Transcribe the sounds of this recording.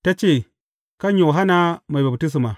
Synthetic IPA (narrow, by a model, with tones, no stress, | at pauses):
ta˦t͡ʃe˨ | ka˦jo˨ɦa˦na˦ma˨jba˨bti˦s̬i˨ma˨